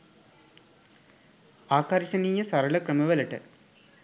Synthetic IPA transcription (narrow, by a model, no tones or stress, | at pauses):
aːkaːɾit͡ɕːɐnijɐsɐɾɐɭɐkrɐmɐʋɐlɐʈːɨ̰